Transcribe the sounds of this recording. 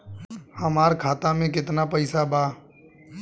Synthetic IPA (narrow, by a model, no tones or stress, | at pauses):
həmaːɾkʰaːt̪amẽkɪt̪napɐɪsabaː